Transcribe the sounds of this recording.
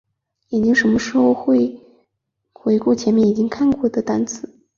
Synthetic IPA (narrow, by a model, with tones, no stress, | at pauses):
i˨˩t͡ɕi˥ŋʂə˧˥mə˧ʂɻ̩˧˥xo˥˧ʊxwe˥˩ɪ | xwe˧˥ɪku˥˩t͡ɕʰjɛ˧˥nmjɛ˥˩ni˨˩t͡ɕi˥ŋkʰa˥˧nkwɔ˥˩d̪ə˩t̪a˧˥nt͡sʰɹ̩˨˧˦